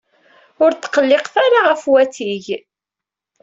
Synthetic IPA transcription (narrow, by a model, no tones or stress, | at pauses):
ʊɾt̪ːqəlːɪqθaɾaʁəfwæθiʝ